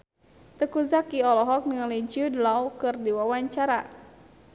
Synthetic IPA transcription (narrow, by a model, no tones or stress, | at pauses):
t̪əkuzakiɔlɔɦɔk̚niŋalid͡ʒudlawkɨrdiwawaɲt͡ʃaɾa